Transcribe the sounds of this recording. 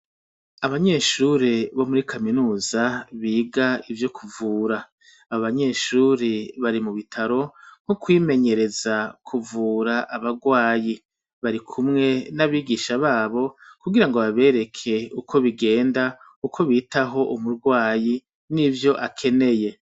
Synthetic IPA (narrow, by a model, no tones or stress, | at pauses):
aβaɲe̞ːʃuɾeβo̞muɾikʰaminuːz̥aβiːɡaivjo̞kʰuvuːɾa | aβoβaɲe̞ːʃuːɾeβaɾimuβitʰaɾo̞ŋ̥hukwiːme̞ɲe̞ɾe̞zakʰuvuːɾaʔaβaɡwaːji | βaɾikʰumŋe̞naβiːɡiːʃaβaːβo̞kuɡiɾaŋɡo̞βaβe̞ːɾe̞kʰe̞ukʰo̞βiɡe̞ːnda | ukʰo̞βiːtaɦo̞ʔumuɾɡwaːji | nivjo̞ʔakʰe̞ne̞je̞